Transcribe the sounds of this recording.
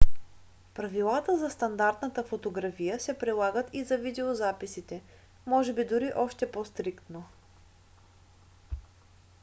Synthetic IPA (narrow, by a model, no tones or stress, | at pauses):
pɾɐvilˠat̪əzɐst̪ɐnd̪aɾt̪nət̪əfot̪oɡɾafijəsɛpɾilˠaɡət̪izɐvid̪ɛozapisit̪ɛ | mɔʒɛbid̪ʊɾiʔɔʃt̪ɛpost̪ɾikt̪no